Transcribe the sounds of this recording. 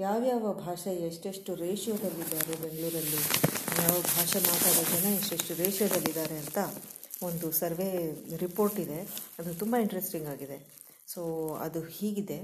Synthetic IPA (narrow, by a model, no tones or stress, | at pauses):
jaːʋjaːʋɐbʱaːʂɐjeʂʈeʂʈuɾeːʂjoːd̪ɐlːid̪ːaːɾebe̞ŋɡɭuːɾɐlːijaːʋɐbʱaːʂɐmaːʈ̪aːd̪ɐd͡ʒɐnɐeʂʈeʂʈuɾeːʂjɐd̪ɐlːid̪aːɾe̞ɐnt̪ɐo̞nd̪usɐɾʋe̞ːɾipo̞ːɾʈid̪e̞ɐd̪ut̪umbɐiɳʈɾesʈiŋɡaːɡid̪e̞ | soːɐ̰d̪uhiːɡid̪e̞